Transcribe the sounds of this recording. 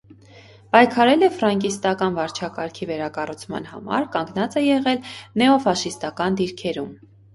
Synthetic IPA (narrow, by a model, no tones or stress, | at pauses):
pɑjkʰɑɾɛlɛfɾɑŋkist̪ɑkɑnvɑɾt͡ʃʰɑkɑɾkʰivɛɾɑkɑrut͡sʰmɑ̰nhɑ̰mɑ̰ɾkɑŋɡnɑt͡sɛjɛʁɛlnɛɔfɑʃist̪ɑkɑnd̪iɾkʰɛɾum